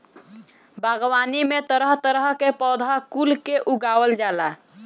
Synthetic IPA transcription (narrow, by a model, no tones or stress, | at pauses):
bʱəɡwanimet̪əɾəɦt̪əɾəɦkepɔd̪ʱakulkeʔuɡawəld͡ʒala